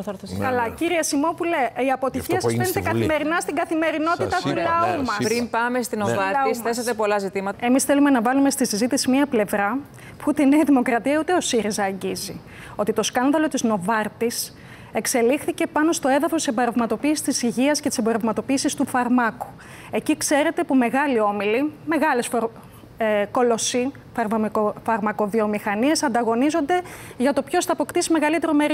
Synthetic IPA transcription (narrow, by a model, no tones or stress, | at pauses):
θɐɾt̪ɐkɐlɐkiɾiɐsimo̞puleiɐpo̞t̪içiɐsizenet̪ekɐme̞ɾinɐst̪iɡɐθime̞ɾino̞t̪it̪ɐt̪ulɐumɐssɾipɐmest̪inovɐɾlɐsθesɐt̪epo̞lɐzit̪imɐt̪ɐe̞misθe̞lume̞nɐvɐlume̞st̪isizit̪isimiɐple̞vɾɐ | puut̪ene̞iðimo̞kɾɐt̪iɐut̪e̞o̞siɾizɐːɲɟizi | o̞t̪it̪o̞skɐnðɐlo̞t̪izno̞vɐɾt̪is | e̞kse̞lixθice̞pɐno̞st̪o̞e̞ðɐfost̪iseboɾɐvmɐt̪o̞piːsi̥st̪isiʝiɐsce̞t̪i̥seboɾɐvmɐt̪o̞piːsist̪ufɐɾmɐku̥ | e̞cikse̞ɾe̞t̪e̞pume̞ɣɐlio̞milime̞ɣɐle̞sfo | ko̞lo̞si | fɐɾmfɐɾmɐko̞ðio̞mixɐnie̞sɐnd̪ɐɣo̞nizo̞nd̪e̞ʝɐt̪o̞pço̞sθɐːpo̞kt̪isime̞ɣɐlit̪e̞ɾomeɾi